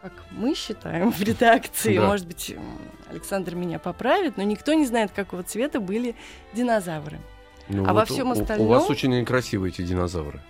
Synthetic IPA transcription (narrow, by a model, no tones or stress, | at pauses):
kakmɨɕːɪt̪a̰jɪmvɾʲɪd̪akt̪sɨɪmo̞ʐɨd̪̚bɨtʲ | ɐ̰lʲɪksand̪rmʲɪnʲapɐpɾavʲɪt̪no̞nʲɪkt̪o̞nʲɪznajɪt̪kɐko̞vət̪svʲe̞t̪əbɨlʲɪ | dʲɪnɐzavrɨ̰ | nṵa̰vɐfsʲːo̞mɐst̪ɐlʲʊvasot͡ɕɪnʲkɾɐsʲivɨɛtʲɪdʲɪnɐza̰vɾɨ̰